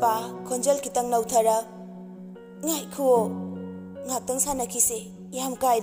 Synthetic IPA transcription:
pakʰond͡ʒelkʰitɐŋnawtʰɐɾɐ | ŋajkʰuo | ŋak̚tɐŋsanɐkʰise | jamkaj

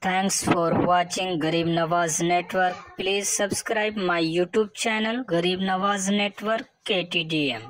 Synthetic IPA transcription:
t̪ʰɛ̃ŋksfɔɾʋat͡ʃɪ̃ŋɡɡɐɾiːbnɐʋaːzneʈʋəɾkpliːzsɐbskɾaɪbmajjuːʈjuːb̚t͡ʃɛnəlɡɐɾiːbnɐʋaːzneʈʋəɾkːeʈiɖiem

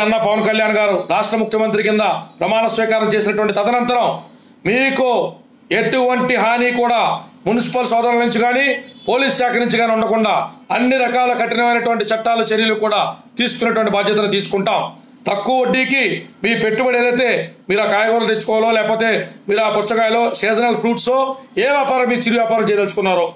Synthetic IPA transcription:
ɐnːaːpɐʋɐnkɐljaːnɡaːɾuɾaːʂʈɾɐmukʰjɐmɐnt̪ɾikind̪ɐpɾɐmaːnɐsʋiːkaːɾɐmt͡ʃeːs̬inɐʈuʋɐɳʈit̪ɐt̪ɐnɐnt̪ɐɾɐm | miːku | e̞ʈuʋɐɳʈiɦaːniːkuːɽaːmunisi̥pɐlsɔːd̪ɐɾɐɐnuɲt͡ʃiɡaːniːpoːliːsʃaːkɐɾnuɲt͡ʃiɡaːniuɳɖɐkuɳɖaːɐnːiɾɐkaːlɐkɐʈinɐmɐjnɐʈuʋɐɳʈit͡ʃɐʈːaːlut͡ʃeɾjɐlukuːɽaːt̪iːsu̥kunːɐʈuʋɐɳʈibaːd̪ʱjɐt̪ɐnut̪iːsu̥kuɳʈaːm | t̪ɐkːuoɖːiːkimiːpe̞ʈːubɐɽeːd̪ɐjt̪e̞ːmiːɾaːkaːjɐɡoːɾɐt̪et͡ʃːu̥kɔːwloːlɛːkɐpoːt̪e̞ːmiːɾuaːpust̪ɐkaːlo̞ːseːd͡ʒɐnɐlpʰɾuːʈsloːeːʋjaːpaːɾɐmːiːkut͡ʃiɾiʋjaːpaːɾɐmt͡ʃɛjaɐlt͡ʃu̥kunːaːɾu

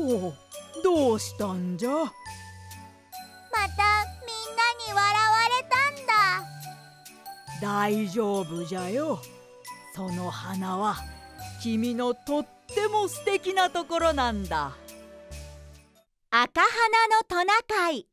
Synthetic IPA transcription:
od̪oːɕi̥t̪aɲd͡ʑa | mat̪amʲĩnːaɲ̟iβaɾaβaɾe̞t̪ãnd̪a | d̪aiʑo̞ːbɯ̟d͡ʑajo | so̞no̞hanaβakʲimʲino̞t̪o̞t̪ːe̞mo̞sɨ̥t̪e̞kʲinat̪o̞ko̞ɾo̞nãnd̪a̰ | akaɦananot̪onakai

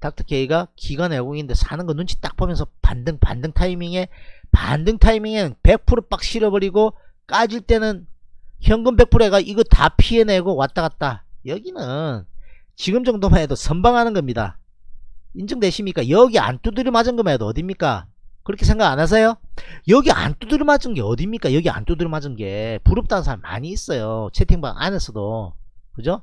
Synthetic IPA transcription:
tak̚tʰɯ̥kʰeiɡakiɡwaneɡoɡinɯnde̞sʰanɯnɡʌnund͡ʑʰit͈ak̚pomjʌnsʰʌpa̰ndɯŋpa̰ndɯŋtʰaimiŋe̞pa̰ndɯŋtʰaimiŋe̞nɯnpe̞k̚pʰuɾɯp͈ak̚ɕ͈ʰiɾʌbʌɾiɡok͈ad͡ʑiɭt͈e̞nɯnçjʌŋɡɯmbe̞k̚pʰuɾe̞ɡaʔiɡʌta̰pʰie̞neɡowat͈̚aɣat̚t͈ajʌɡinɯn | t͡ɕiɡɯmd͡ʑʌŋdomaedosʰʌmbaŋɦanɯnɡʌmɲida̰ | ind͡ʑɯŋde̞ɕʰimɲik͈ajʌɡia̰nt͈udɯɾimad͡ʑɯnɡʌmajʌdoʌdimɲik͈a̰kɯɾʌkʰe̞sʰe̞ŋɡaɡanas̬ʰejojʌɡiʔa̰nt͈udɯɾmad͡ʑɯnɡe̞ʌdimɲik͈ajʌɡia̰nt͈udɯɭmad͡ʑɯnɡe̞puɾɯp̚t͈anɯnsʰaɭma̰ɲiːs͈ʌjot͡ɕʰetʰeŋba̰ŋʔa̰nesʰʌdo̰ | kɯd͡ʑo

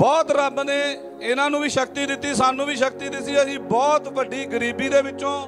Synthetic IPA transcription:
bɔːt̪ɾəbneː | ɪnãːnũːʋiːʃək̚t̪iːd̪ɪt̪ːiːsaːnũːʋiːʃəkt̪iːd̪ɪt̪siːəsĩːbɔːt̪ʋəɖiːɡəɾiːbiːd̪eːʋɪt͡ʃːõː

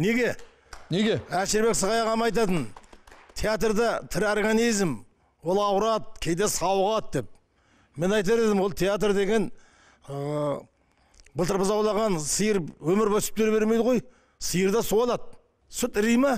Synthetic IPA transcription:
ne̞ɡʲe̞ | neɡʲeæʃɪɾbe̞ksəʁɑjɑʁɑmɑjt̪̬ɑt̪ənt̪ʲʰejat̪rd̪ɑt̪ʰɪɾorɡanijzm | wo̞lˠɑwɾɑt̪̚kʲʰe̞jd̪esɑwʁˠɑt̪̚d̪e̞p̚ | me̞nɑjt̪̬ɑɾed̪ɪmwo̞lˠt̪ʰejat̪̬rd̪e̞ɡʲe̞n | bəlˠt̪əɾbəzɑwlˠɑʁɑnsəjəɾwɵmɪɾbosɪ̥pt̪eɾbe̞ɾmejd̪əʁo̞j | səjəɾd̪ɑsuɑlˠɑd̪̚ | sʊt̪ɾijmɑ

